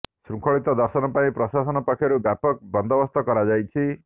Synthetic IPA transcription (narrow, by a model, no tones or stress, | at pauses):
sɾuŋkʰɔɭit̪ɔd̪ɔɾsɔnɔpaĩpɾɔsasɔnɔpɔkʰjɔɾubjapɔk̚bɔnd̪ʱɔbɔst̪ɔkɔɾad͡ʒajt͡ʃʰi